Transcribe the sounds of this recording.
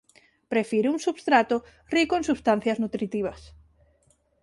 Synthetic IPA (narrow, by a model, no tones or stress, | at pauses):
pɾefiɾeuŋsuβst̪ɾat̪o | rikoẽŋsust̪an̟θjaznut̪ɾit̪iβɐs